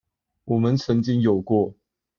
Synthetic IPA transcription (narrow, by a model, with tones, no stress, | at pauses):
wɔ˨˩mə˨˦nt͡sʰə˧˥ŋt͡ɕi˥ŋjo˨˩ʊkwɔ˥˩